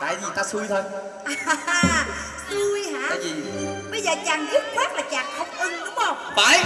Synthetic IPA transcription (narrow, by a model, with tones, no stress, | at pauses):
t̪a̰ː˧˨jzi˨˩t̪aː˧sɨ˧əjt̪ʰo˧j | sɨ˧əjhaː˧˥a̰ː˧˨jzi˨˩˨ɓə˧jzəː˨˩t͡ɕaː˨˩ŋzu˦˥t̚kwaː˦˥t̚laː˨˩t͡ɕaː˨˩ŋxə˧wŋ͡mʔɨ˧ŋɗʊ˨˦ŋ͡mhə˧˩wŋ͡mfaː˧˨˩j